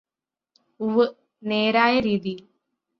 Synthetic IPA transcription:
uʋɨ | neːɾaːjɐɾiːðil

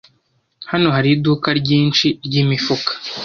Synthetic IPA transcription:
hano̞ɦaɾidukaɾɟiːnt͡ʃiɾɟimifukḁ

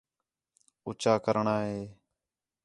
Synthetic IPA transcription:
ʊːt͡ʃaːkəɾɳaːɦeː

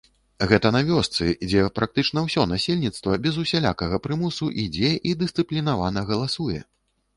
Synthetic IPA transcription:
ɣɛt̪ɐnavʲɔst̪sɨd͡zʲɛpɾʔak̚t̪ɨt͡ʂn̪ɐwsʲɔnasʲelʲnʲit̪st̪vɐbʲɛzusʲalʲa̰kɐɣɐpɾɨmusuʔid͡zʲɛʔid̪ɨst̪ɨplʲinavanɐɣɐlˠasujɛ̰

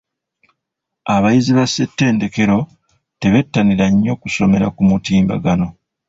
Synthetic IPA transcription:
aβajiziβasetːe̞ːnde̞ke̞ɾo̞ | te̞βe̞tːaniɾaɲːo̞kuso̞me̞ɾakumutiːmba̰ɡano̞

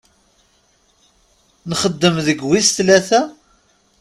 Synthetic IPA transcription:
nχəd̪ːəmðəɡwist̪læθæ

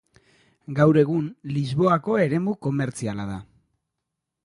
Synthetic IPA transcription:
ɡawɾe̞ɣ̞unlizβo̞ako̞e̞ɾe̞muko̞me̞ɾt͡sialað̞a

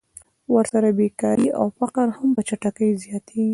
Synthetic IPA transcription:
wəɾsaɾabekɑɾiʔa̰wfaqaɾhampət͡ʃaʈakəjzjɑt̪ʰi

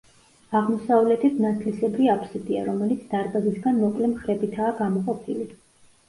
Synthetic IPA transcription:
aʁmɔsavlɛt̪ʰit̪ʰnat̪sʰlisɛbɾiapʰsiɾd̪ʼia̰ɾɔmɛlit̪sʰd̪aɾbazisɡanmɔkʼlɛmχɾɛbit̪ʰaːɡamɔqʼɔpʰili

